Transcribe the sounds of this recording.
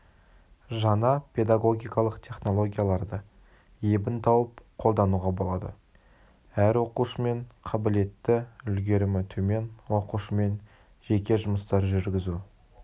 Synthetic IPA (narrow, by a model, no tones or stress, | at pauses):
ʒɑnɑpʰe̞d̪ɑɡo̞ɡʲijkɑlˠəqt̪ʲʰe̞χno̞lˠo̞ɡʲijalˠɑɾd̪ə | jebɪnt̪ʰɑwəpqʰo̞lˠd̪ɑnuʁɑbo̞lˠɑd̪ə̰ | æɾwo̞quʃəme̞ɴqʰɑbɪle̞t̪ːɪʏlɡʲe̞ɾɪmɪt̪ʰɵme̞nwo̞quʃəme̞n | ʒe̞kʲe̞ʒʊməst̪ɑɾʒʏɾɡʲɪzu